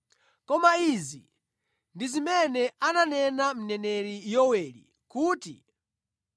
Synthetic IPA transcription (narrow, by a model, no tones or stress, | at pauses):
kɔmaizḭ | ndizimɛnɛananɛnam̩nɛnɛɾijɔwɛlḭ | kuːtḭ